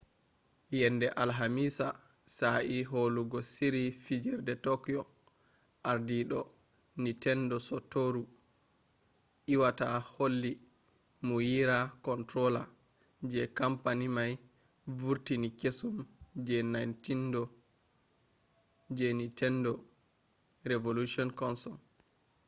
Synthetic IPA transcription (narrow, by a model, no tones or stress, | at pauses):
jɛnːdɛʔalɦamisa | saʔiɦoluɡɔsiɾifid͡ʒɛɾdɛtɔkjɔ | ʔaɾdiɗɔ | nitɛndɔsɔtoɾu | ʔiwataholːi | mujiɾakɔntɾɔla | d͡ʒɛkampanimaj | vuɾtinikesumd͡ʒɛnajntindɔ | d͡ʒɛnitʰɛndɔ | ɾevoluʃɔnkɔnsɔl